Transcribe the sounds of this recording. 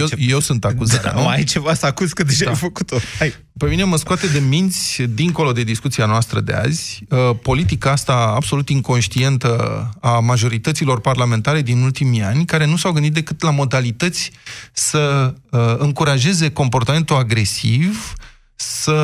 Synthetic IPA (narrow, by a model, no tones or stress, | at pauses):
jeje̞wsunt̪akuzaa̰nuajt͡ʃevasakuzkɨd̪eamfəkut̪oj | pe̞mine̞məskoat̪e̞d̪e̞mint̪sʲd̪iŋko̞lo̞d̪e̞d̪iskut̪sianoast̪ɾəd̪e̞̰a̰zʲəpo̞lit̪̬ikaast̪aːbso̞lut̪iŋko̞nʃt̪ie̞nt̪əamaʒo̞ɾit̪ət̪silo̞rparlame̞nt̪aɾe̞d̪inult̪imianʲkaɾe̞nusawɡɨnd̪it̪d̪e̞kɨt̪lamo̞d̪alit̪ət̪sʲsə | ɨŋkuɾaʒe̞ze̞ko̞mpo̞rt̪ame̞nt̪uaɡɾe̞siv | sə